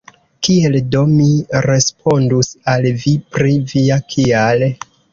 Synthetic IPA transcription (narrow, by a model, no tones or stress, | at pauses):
kie̞ldo̞miɾe̞spʰo̞ndusalvipɾiviakʰiale